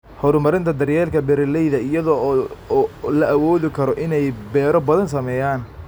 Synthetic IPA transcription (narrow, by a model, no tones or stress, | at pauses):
hɔɾʊmɐɾɪnt̪ʰɐd̪ɐrjɛːlkʰɐbɛɾɐlɛjðɐɪjɐðɔː | lɐʔɐwɔːðɪkʰɐɾɔʔɪnɛjbɛːɾɔbɐðɐns̬ɐmɛːjaːn